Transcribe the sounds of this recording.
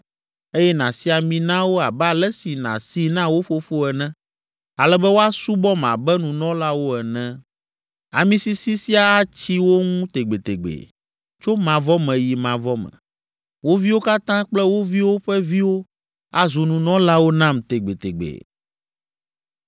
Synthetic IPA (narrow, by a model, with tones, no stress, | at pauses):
e˦jɛ˦nã˨si˦a˨mĩ˨nã˦wo˦a˨bɛ˦a˨lɛ˦si˨nã̰˨si˦nã˦wo˦fo˦fo˦ɛ˨nɛ̃˦ | a˨lɛ˦bɛ˦wo˦a˦su˦bɔ˦mã̰˨bɛ˦nũ˨nɔ̃˦la˦wo˦ɛ˨nɛ̃˦ | a˨mĩ˦si˦si˦si˦a˦a˦t͡ɕi˦wo˦ŋũ˦t̪e˨ɡ͡be˨t̪e˨ɡ͡bḛ˨ | t͡ʃo˦mã˨vɔ˦mɛ̃˨ji˨mã˨vɔ˦mɛ̰̃˨ | wo˦vi˦wo˦ka˦t̪ã˦k͡plɛ˦wo˦vi˦wo˦ɸɛ˦vi˦wo˦ | a˨zu˨nũ˨nɔ̃˦la˦wo˦nã˦mt̪e˨ɡ͡be˨t̪ḛ˨ɡ͡bḛ˨